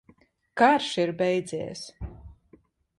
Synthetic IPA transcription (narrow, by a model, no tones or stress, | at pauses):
kaɾʃiɾbɛjd̪zʲɛːɛs